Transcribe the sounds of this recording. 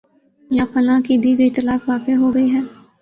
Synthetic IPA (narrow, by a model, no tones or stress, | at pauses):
jaːfənãːkid̪iːɡəiːt̪əlaːfʋaːkeɦoːɡəiɦɛ̃ː